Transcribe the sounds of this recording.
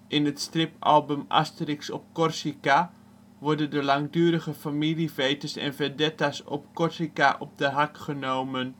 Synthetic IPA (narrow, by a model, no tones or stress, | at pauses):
ʔɪnətstrɪpɑ̰lˠbəma̰stərɪksɔp̚kɔrsika | ʋɔɹdəndəlaŋdyːɾəɣəfamilifejtəsɛ̰nvədɛtasɔ̰p̚kɔrsikaʔɔp̚dəɦakχənowmən